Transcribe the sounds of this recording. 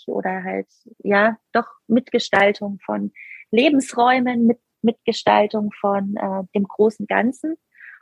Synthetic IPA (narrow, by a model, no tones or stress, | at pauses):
ʔo̰ːdɐɦalt | jaːd̥ɔχmɪtɡ̥əʃtaltʰʊŋfɔ̰nleːbm̩sʁɔʏmənmɪt | mɪtɡ̥əʃta̰ltʊŋfɔnʔɛːd̥eːmɡ̥ʁoːsn̩ɡa̰nt͡sn̩